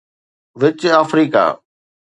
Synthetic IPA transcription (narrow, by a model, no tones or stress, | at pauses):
ʋɪt͡ɕaːfɾiːka̰ː